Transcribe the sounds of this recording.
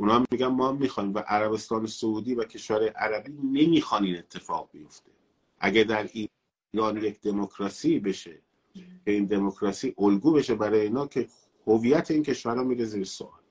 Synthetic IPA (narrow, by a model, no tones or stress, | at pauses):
unɒːhæmːiːɟænmɒːhæmːiːxɒːimvæʔæɾæbe̞st̪ɒːne̞souːd̪iːvæcʰe̞ʃvæɾɒːjeʔæɾæbiːne̞miːxɒniːne̞t̪ʰːe̞fɒ̰ːɣ̚bijo̞ft̪e̞ | ʔæɟæd̪æɾiː | ɾɒːnje̞cd̪e̞mokʰɾɒsiːbe̞ʃe | cʰe̞ind̪e̞mokʰɾɒsiːʔolɡuːbe̞ʃe̞bæɾɒːjeiːnɒːkʰe̞ | hovijæt̪ʰeiːncʰe̞ʃvæɾɒːmiːɾeziːɾeso̰ʔɒ̰ːl